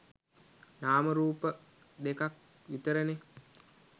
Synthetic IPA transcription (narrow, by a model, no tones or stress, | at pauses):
naːməɾuːpə | d̪ekak̚ | ʋit̪əɾəne